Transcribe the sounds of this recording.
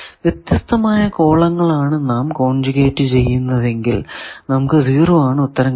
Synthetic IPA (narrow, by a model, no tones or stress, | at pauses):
ʋjet̪jɐst̪ɐmaːjɐko̞ːɭɐŋːɐɭaːɳɨnaːmkoːɳd͡ʑuɣeːʈːɨt͡ɕe̞jːunːɐðe̞ŋɡilnɐmukːɨziːruʋaːɳɨut̪ːɐɾɐm